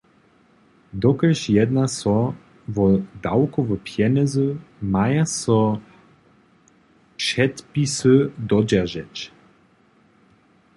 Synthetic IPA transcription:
d̪ɔkəʃjɛd̪nasɔ | vɔd̪awkɔvɔpʰjɛnɛzumajasɔ | ʃɛt̪pisəd̪ɔd͡ʒaʒɛt͡ʃ

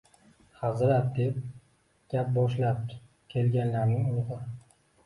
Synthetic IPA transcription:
hazɾat̪̚d̪e̞p̚ | ɡ̥ʲap̚bɒʃlap̚ | kʲʰe̞lɡʲanlaɾnɪŋʊlˠʁɨ

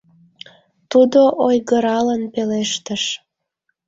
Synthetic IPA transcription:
t̪ud̪oʔojɣəɾɑlənpeleʃt̪əʃ

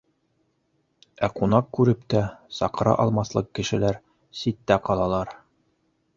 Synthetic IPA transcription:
æqunɑqkʉɾɘpt̪æsɑqɤɾɑ̰ʔɒlˠmɑslˠɤqkːɘ̆ʃɘ̆læɾ | sit̪ːæqɒlˠɑlˠɑɾ

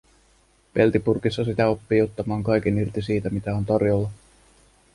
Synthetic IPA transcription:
pe̞lt̪ipurkisːɑsit̪æo̞pːiːot̪ːɑmɑːŋkɑjk̟enirt̪isiːt̪æmit̪æo̞nt̪ɑrjolːɑ

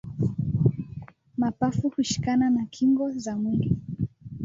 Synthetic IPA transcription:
mapafuhuʃi̥kananakʰiŋɡɔzamwili

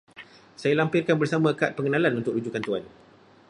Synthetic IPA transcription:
sajalampɪrkanbərsamãkat̪̚pəŋənãlanunt̪ʊklud͡ʒukant̪uan

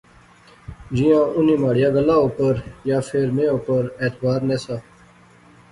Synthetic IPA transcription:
d͡ʑijãːʔʊniːmaːɽɪjaːɡəlaːoːpəɾjaːfʰeːɾmẽːoːpəɾeːt̪baːɾneːsaː

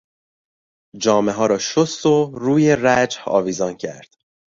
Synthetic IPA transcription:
d͡ʒɒːmeɦɒːɾɒːʃost̪oɾuːjeræd͡ʒhɒ̰ːviːzɒncʰæ̰ɾd̪̥

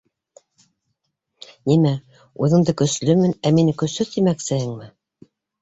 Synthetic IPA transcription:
nimæ | uðɤ̆ɴd̪ɤkɵ̆slɵmɘnæminkɵ̆sɵt̪imæksɘ̆hɘŋmɘ

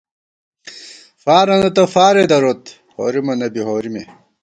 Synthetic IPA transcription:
faːɾɐnɐt̪ɐfaːɾed̪ɐɾot̪ | ho̰ːɾimɐnɐbiɦoːɾime

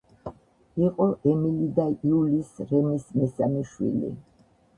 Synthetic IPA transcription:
iqʼɔʔɛmilid̪aiulisɾɛmismɛsamiʃwḭlḭ

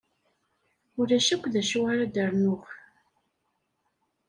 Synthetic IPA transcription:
ʊɾæʃækʷːðæʃuwaɾad̪əɾˤnʊx

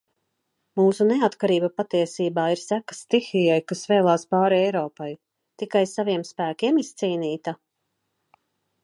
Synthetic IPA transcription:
muːsuneat̪kaɾiːbapat̪iɛsiːbaːiɾsækḁst̪ixijajkasvɛːlˠaːspaːɾiɛjɾɔːpaj | t̪ikajsaviɛmspæːkʲiɛmist̪siːniːt̪a

